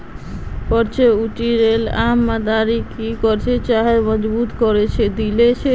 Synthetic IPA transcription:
pɔɾt͡ʃʰeuʈiɾelamːad̪aɾikikɔɾt͡ʃʰet͡ʃaɦemɔd͡ʒbut̪kɔɾet͡ʃʰɛd̪ilet͡ʃʰe

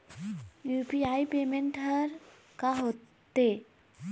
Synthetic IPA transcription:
jupiaːipeːmẽɳʈɦəɾ | kaɦoːt̪ː | e

